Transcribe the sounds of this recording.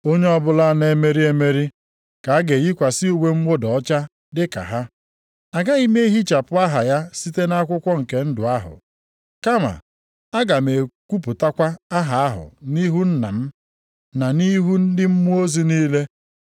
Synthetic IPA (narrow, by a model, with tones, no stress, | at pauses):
o˦ɲe˦ɔ˦bʊ˦la˦ne˦˨me˦ɾi˦e˦me˦ɾi˦ | ka˨a˦ɡe˨ji˦kʷa˨sɪ˦u˨we˦m̩˦mo˦dɔ˨˦t͡ʃa˦ | dɪ˦ka̰˨ɦa˦ | a˨ɡa˦i˦me˦i˦ɦi˦t͡ʃa˨pʊ˦a˦ɦa˨ja˦si˦te˦na˦kʷʊ˦kʷɔ˦ŋ̩˨ke˨n̩˦dʊ˨a˦ɦʊ̰˨ | ka˦ma̰˨ | a˦ɡa˨me˨kʷu˦pʊ˨ta˦kʷa˦a˦ɦa˨a˦ɦʊ̰˨ni˦ɦu˦n̩˦na̰˨m̩˦ | na˨ni˦ɦu˦n̩˦dɪ˦m̩˦mu˦o˦zi˦niː˦le˦